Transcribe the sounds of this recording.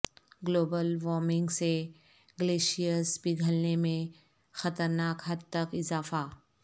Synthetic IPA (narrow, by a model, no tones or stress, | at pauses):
ɡloːbəlʋɔːɾmɪ̃ŋɡse | ɡəleːʃijəsbɪɡʱəlnemẽ | xɐt̪əɾnaːkɦɐd̪̚t̪əkɪzaːfaː